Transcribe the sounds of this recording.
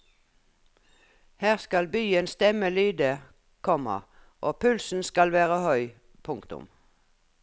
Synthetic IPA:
hæːʁskɑlbyːənst̪ɛməlyːd̪ə | kʰɔmɑ̰ | ʔoːpʰʉlsn̩skɑlʋæːʁəhœʏ | pʰʊŋkt̪ʊ̰m

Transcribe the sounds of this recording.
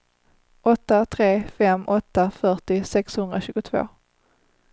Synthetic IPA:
ʔɔt̪ːat̪ʰɾeːfɛmɔt̪ːafœʈɪsɛkshɵnd̪ɾaɕʉ̟ːɡʊt̪ʰvo̰ː

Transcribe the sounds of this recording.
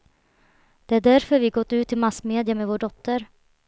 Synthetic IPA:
d̪̥ɛæɖæɾfœɾvɪɡɔt̪ːʉ̟ːt̪ʰːɪlmasmeːd̪ɪamevoːɖɔt̪ʰːəɾ

